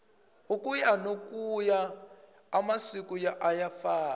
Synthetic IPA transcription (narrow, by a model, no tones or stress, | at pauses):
ukʼujanokʼujaː | masikujaʔajafaː